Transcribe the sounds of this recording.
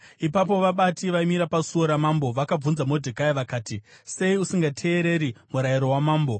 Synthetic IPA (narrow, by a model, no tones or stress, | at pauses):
ipap̬o̞ʋaɓatiʋaimiɾapasuoɾamaːmbo̞ʋakab͡vunzamo̞dʱikaiʋakaːti | se̞iusiŋɡatʰe̞ːɾe̞ɾimuɾaiɾo̞wamaːmbo̞